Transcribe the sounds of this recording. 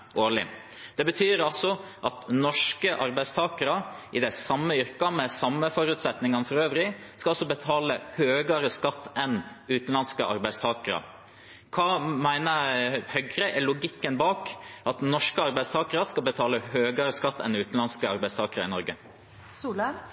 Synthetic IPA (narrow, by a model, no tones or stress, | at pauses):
ʔoːɭɪ | d̪̥ɛbət̪ʰyːɾɑlsɔ | ʔɑt̪nɔʂkəʔɑɾbæɪst̪ʰɑːkəɾɑɪd̪ɛsɑmːəʏɾkɑmɛsɑmːəfɔɾʉːt̪sɛt̪nɪŋɑnfɔɾøːʋɾɪskɑɑlsɔbət̪ʰɑːləhøːɡɑɾəskɑt̪ːɛnʉːt̪n̩lɑnskəʔɑ̰ɾbæɪst̪ʰɑːkəɾɑ̰ | kʰɑːmæɪnəhœɡɾəʔɛlʊɡɪkːənbɑːkɑt̪nɔʂkəɑɾbæɪst̪ʰɑːkəɾɑskɑlbət̪ʰɑːləhøːɡɑɾəskɑt̪ːɛ̰nʉːt̪n̩lɑnskəɑɾbæɪst̪ʰɑːkəɾɑ̰ɪ̰nɔɾɡə | slə